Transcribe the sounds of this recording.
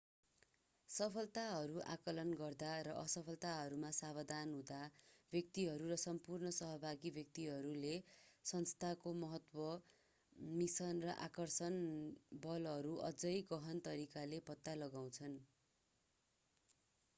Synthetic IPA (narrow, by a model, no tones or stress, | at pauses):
sʌpʰʌlt̪aɦʌɾuʔa̰kʌlʌnɡʌrd̪aɾʌʔʌsʌpʰʌlt̪aɦʌɾumasabʌd̪anɦũd̪abʱjʌk̚t̪iɦʌɾurʌsʌmpurnʌsʌɦʌbʱaɡibʱjʌk̚t̪iɦʌɾulesʌnst̪ʰakomʌɦʌt̪wʌ | misʌnrʌʔakʌrsʌnbʌlʌɾuʔʌ̰d͡zʌjɡʌɦʌnt̪ʌɾikalepʌt̪ːalʌɡaw̃t͡sʰʌn